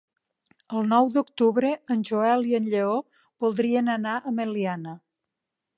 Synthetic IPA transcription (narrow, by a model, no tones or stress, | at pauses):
əlˠnɔwd̪uk̚t̪uβɾəənʲʒuɛliənʎeo | b̥ulˠd̪ɾiənənaʔəməlianə